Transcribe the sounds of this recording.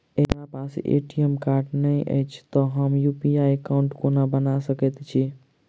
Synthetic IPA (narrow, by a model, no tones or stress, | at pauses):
eɾapasḛʈiemkaɾɖnəjʔə̰jt͡ʃʰt̪ɔɦəmjupiajekauɳʈkonabənasəkɛt̪t͡ʃʰi